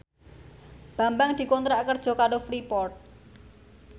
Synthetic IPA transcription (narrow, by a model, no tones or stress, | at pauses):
b̥a̤mbaŋd̪̥i̤kɔnt̪ɾakərd̥ʒ̥ɔ̤kaɖofɾipɔrt̪̚